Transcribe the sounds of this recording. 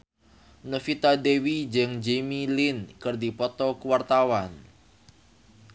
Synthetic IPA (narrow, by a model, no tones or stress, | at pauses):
nəfit̪adewid͡ʒəŋd͡ʒemilinkɨrdipɔt̪ɔkuwart̪awan